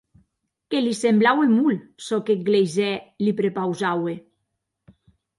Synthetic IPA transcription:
kelisemblawemulsɔkeɡlezɛlipɾepawzawe

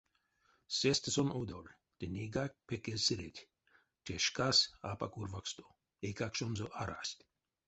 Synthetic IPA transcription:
sest̪sɔnod̪olʲ | t̪enʲeɡak̚pʰekesɨɾet̪ʲ | t͡ʃʰeʃkasapa̰kuɾvakst̪o | ekakʃɔnzoʔaɾa̰sʲt̪ʲ

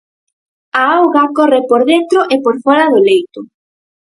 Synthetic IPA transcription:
aawɣakɔrɪpoɾðent̪ɾʊʔepoɾfɔɾaðʊlejt̪ʊ

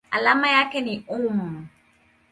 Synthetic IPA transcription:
a̰lamajakɛnĩomɔ̃mɔ

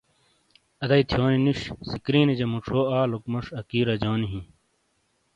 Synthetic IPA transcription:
ɐd̪ɐit̪ʰjoːniniʂsikɾiːnid͡ʑɐmuʈ͡ʂʰoːaːlokmoʂɐkiːɾɐd͡ʑoːniɦĩ

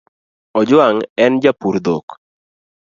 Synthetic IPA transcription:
ɔd͡ʒwaŋɛnd͡ʒapuɾd̪ok

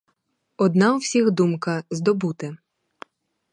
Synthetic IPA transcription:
ɔd̪nɑuwsʲiɣd̪umkɐzd̪ɔbut̪ɪ

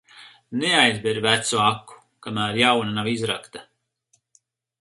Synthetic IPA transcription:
neajzbeɾvæt̪suakːu̥ | kamæːɾjawnanavizɾakt̪a

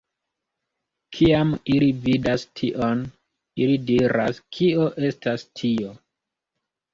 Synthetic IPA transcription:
kʰiamilividastʰiʔo̞n | ilidiɾa̰skʰio̞ʔe̞stastʰio̞

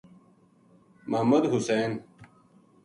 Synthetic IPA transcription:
mɐmɐd̪ɦuseːn

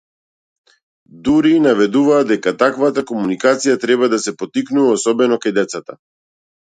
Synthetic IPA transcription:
d̪uɾinavɛd̪uvaːd̪ɛkat̪akvat̪akɔmunikat̪sijat̪ɾɛbad̪asɛpɔt̪iknuvaɔsɔbɛnɔkajd̪ɛt̪sat̪a

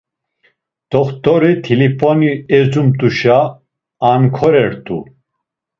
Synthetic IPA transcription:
d̪̥ɔχt̪ʼɔɾit̪ʰilipʰʼɔniɛd͡zumt̪ʼuʃaː | nkʰɔɾɛɾt̪ʼṵ

